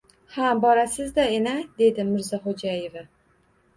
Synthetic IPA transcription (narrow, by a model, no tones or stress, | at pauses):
habɒɾasɪzd̪aenad̪e̞d̪ɪmɪɾzaχod͡ʒajeva